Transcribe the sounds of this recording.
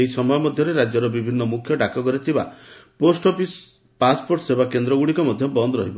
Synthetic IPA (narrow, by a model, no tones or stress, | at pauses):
eɦisɔmɔjɔmɔd̪ʱjɔɾeɾad͡ʒjɔɾɔbibʱinːɔmukʰjɔɖakɔkɔɾit̪ʰiba̰posʈɔpis | paspoɾʈsebakend̪ɾɔɡuɽikɔmɔd̪ʱjɔbɔnd̪ɔɾɔɦibɔ